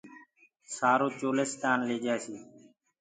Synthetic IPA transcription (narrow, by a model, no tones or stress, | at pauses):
saːɾoːt͡ʃoːlesk̪aːnleːd͡ʒaːsiː